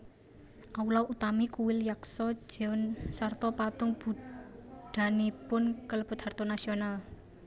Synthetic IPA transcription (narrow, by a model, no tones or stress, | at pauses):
ʔaulawʔut̪amikuwɪljaksɔ̥d͡ʒ̥ɛʊnsart̪ɔpat̪ʊŋb̥u | ɖ̪̥a̤nipʊnkələb̥ʊt̪hart̪ɔnasional